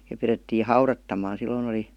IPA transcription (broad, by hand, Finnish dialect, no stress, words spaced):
jɑ piretːiː hɑurɑtːɑmˑɑːn̞ silːoin oli